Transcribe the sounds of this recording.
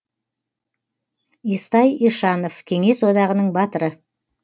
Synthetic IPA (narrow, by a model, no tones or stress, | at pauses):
ist̪ɑjiʃɑno̞fkʲʰe̞ŋe̞swo̞d̪ɑʁənəɴbɑt̪əɾə